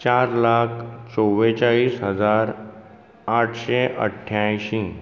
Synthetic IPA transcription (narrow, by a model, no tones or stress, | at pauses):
t͡ɕaɾlakʰt͡sɔʋet͡ɕaɭiːsɦəd͡zaɾ | aʈʰɕeʔə̰ʈʰːjajɕi